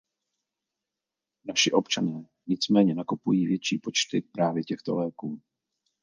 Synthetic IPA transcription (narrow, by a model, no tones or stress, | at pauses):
naʃɪʔo̞pt͡ʃanɛː | ɲɪt͡smɛːɲɛnakopujiːvjɛt͡ʃiːpo̞t͡ʃt̪ɪpɾaːvjɛcɛxt̪o̞̰lɛːkuː